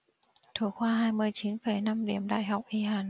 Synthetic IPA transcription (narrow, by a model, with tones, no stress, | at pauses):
t̪ʰo˧˩˦jxwaː˧ɦaː˧jmɨ˧əjt͡ɕi˨˦nfə˨˩jna˧mɗi˨˩əmɗa̰ː˧˨jɦa˨˩wk͡p̚ʔi˧ɦaː˨˩n